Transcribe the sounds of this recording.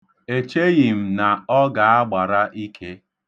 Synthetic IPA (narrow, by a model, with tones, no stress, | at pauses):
e˨t͡ʃe˦ɣi˨m̩˨na˨ɔ˦ɡa˨a˦ɡ͡ba˨ɾa˦ʔi˦kʰe˦